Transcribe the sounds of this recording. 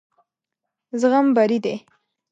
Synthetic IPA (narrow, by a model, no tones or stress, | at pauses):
zɣambaɾid̪e